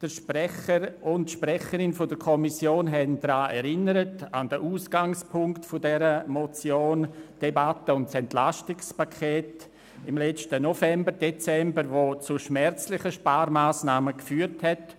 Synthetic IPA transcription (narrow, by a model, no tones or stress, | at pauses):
d̥əʃpɛχəɾʊnʃprɛχəɾɪnfʊdəkʰɔmisjoːnɦɛnd̥ɾaːʔɛɾɪnəɾətand̥əʔuːsɡ̥aŋspʰʊŋktfʊdɛɾəmot͡sjoːnd̥ebatəʊntsɛntlaʃtɪkspakʰɛːt | ɪmlɛt͡stənofɛmbəɾd̥et͡sɛmbəɾʋot͡suʃmɛɾt͡slɪχəʃpaːɾmaːsnaːməkfyːɾthɛt